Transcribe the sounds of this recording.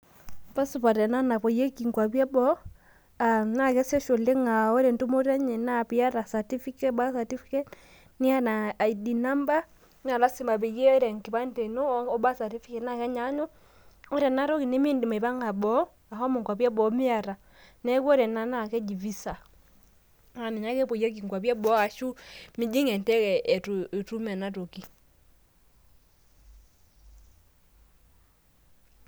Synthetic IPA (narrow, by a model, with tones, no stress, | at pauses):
pa˦su˨pa˨ɾɛ˨na˦na˨pɔ˨jɛ˦ki˨ŋkwa˨pja˦bɔ˦ | ana˦˨kɛ˦sɛ˦ʃo˨le˦ŋa˨o˦ɾɛ˨ntu˦mo˦ɾɛ˦ɲɛ˨na˦˨pi˦a˦ɾa˨sa˨ti˦fi˦kɛ˦ba˦sa˨ti˦fi˦kɛ˦t | ni˦a˦˨na˨i˨di˨na˦mba˦ | n˦a˨la˦si˨ma˨βe˨ɣe˦ɔ˦ɾɛ˨ŋki˨βa˦nde˨no˦ɔ˦ba˦sa˨ti˦fi˦kɛ˨na˦˨kɛ˦ɲa˨˦ɲo˦ | o˦ɾɛ˨na˨˦ɾɔ˦ki˨ne˦mi˦ndi˨ma˨i˨βa˦ŋa˨bɔ˨˦ | a˨hɔ˦mu˨ŋkwa˨pja˦bɔ˨˦mi˦a˨ɾa˨ | nɛ˦kɔ˦ɾɛ˨na˦na˨kɛ˦d͡ʒi˨vi˦sa˨ | a˨mi˨na˦kɛ˦po˨ja˦k̬i˨ŋkwa˨pja˦bɔ˨˦a˨ʃu˦mi˦d͡ʒi˦ŋɛ˨ntɛ˦kɛ˨tu˨e˨tu˦mɛ˨na˦ɾo˨ki˨